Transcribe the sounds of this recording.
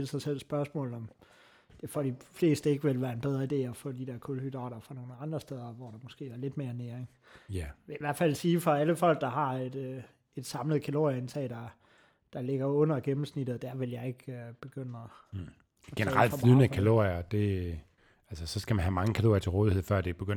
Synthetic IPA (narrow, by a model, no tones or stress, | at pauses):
lsɑ̈ɪsel̰sb̥ɶɐsmɔ̰̽ːl̩ˠɒ̽m | d̥e̝fɒɾ̥ifle̝̰ːsd̥əe̝ɡ̥əʋelʋæːɐe̝nb̥eð̞ˠʁɐide̝̰ːɒfɔ̰̽ːd̥id̥æɐkʰɔlhyd̥ʁɑ̰̈ːɾ̥ɐfɑ̈no̝ːnəɑ̈nd̥ʁɐsd̥eð̞ˠɐʋɒɾ̥ɑ̈mɒsɡ̥e̝̰ːʋɑ̈le̝d̥me̝ːɐneɐeŋ | ʋeiʋæɐ̰̥fæl̰siːfɒ̽æləfɒ̽l̰ɡ̥̚d̥ɑ̈ɦɑ̈ed̥ | e̝d̥sɑ̈mləð̩ˠkʰælo̝̰jɐensʰɛ̰ːd̥ɑ̈ | d̥ɑ̈le̝ɡ̥ɐɔ̽n̰ɐɡ̥emm̩snid̥ð̩ˠd̥æɐʋe̝ljɑ̈ɪe̝ɡ̥øb̥e̝ɡ̥øn̰ɐ | ɡ̥enəʁɑl̰d̥inəkʰælo̝̰iɐd̥e̝ | ælsəsɒ̽sɡ̥æmænɦhæmɑ̈ŋəkʰælo̝̰ɐjɐt͡sʰeʁoːðiheð̰ˠfɶɐ̰d̥e̝b̥eɡ̥øn̰